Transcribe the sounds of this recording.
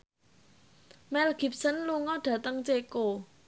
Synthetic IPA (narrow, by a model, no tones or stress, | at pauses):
mɛlɡ̥i̤p̚sənluŋɔɖ̥ä̤t̪əŋt͡ʃeko